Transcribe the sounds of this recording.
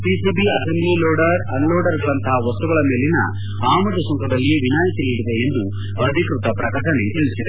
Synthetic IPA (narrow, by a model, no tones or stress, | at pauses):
pisiːbiɐsɐmbliloːɖɐɾɐnloːɖɐɾɡɐɭɐnt̪ɐɦɐʋɐst̪uɡɐɭɐme̞ːlinɐ̰ | aːmɐʈusɔŋkɐd̪ɐlːiʋinaːjisiliɽid̪eːnd̪u | ɐd̪ʱikɾut̪ɐpɾɐkɐʈɐnet̪iɭisid̪e